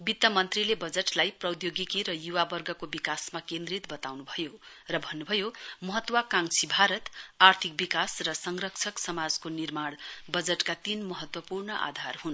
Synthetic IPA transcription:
bit̪ːʌmʌnt̪rilebʌd͡zeʈlajprʌd̪joɡikiɾʌjuwabʌrɡʌkobikasmakẽnd̪rit̪bʌt̪awnubʱʌjo | rʌbʱʌnːubʱʌjomʌɦʌt̪wakaŋsʰibʱaɾʌt̪art̪ʰik̚bikasrʌsʌŋrʌkt͡sʰʌksʌmad͡zkonirmaɽbʌd͡zeʈkat̪inmʌɦʌt̪wʌpurnʌʔa̰d̪ʱarɦun

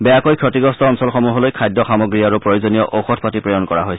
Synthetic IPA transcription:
bɛjakojkʰɹɔtiɡɔstɔːnsɔlxɔmuɦɔlojkʰajdːɔxamɔɡɹiaɹupɹojozɔnijɔʔoxɔtʰpatipɹɔjɔnkɔɹa̰ɦojs

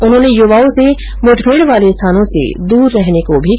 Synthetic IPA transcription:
ʊnɦõːnejʊʋaːõse | mʊʈʰbʱeːɽʋaːlest̪ʰaːnõsḛd̪uːɾːɛɦnekobʱi

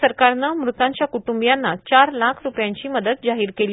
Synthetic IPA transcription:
əɾkaɾnəmɾut̪ãɲt͡ɕjakuʈumbjanːat͡ɕaɾlakʰɾupjaɲt͡ɕiːməd̪ət̪̚d͡ʑaɦiːɾkeli

